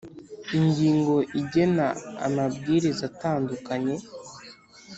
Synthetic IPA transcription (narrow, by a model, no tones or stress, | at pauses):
iɲɟiːŋɡo̞ʔiɟe̞naa̰mab̚ɡiːɾizataːndukaɲe̞